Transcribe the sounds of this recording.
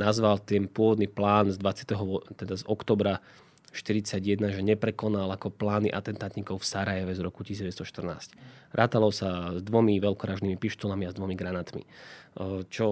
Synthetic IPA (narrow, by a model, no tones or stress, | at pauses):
nazʋalt̪ɛnpʊɔʋɔd̪niːplaːnzd̪ʋat͡sɪat̪ɛɦɔt̪ɛd̪azɔkt̪ɔːbɾa | ʃt̪iɾit͡saɟjɛd̪naʒɛɲɛpɾɛkɔnalakɔplaːniʔa̰t̪ɛnt̪aːt̪ɲikɔʊfsaɾajɛʋɛzɾɔkuciizɟɛʋɛt͡sst̪ɔʃt̪r̩na̰ːscɾʔaːt̪alɔsazd̪ʋɔmiʋɛlkɔɾaːʒniːmipiʃt̪ɔlamiazd̪ʋɔmiɡɾanaːt̪mḭ | t͡ʃɔ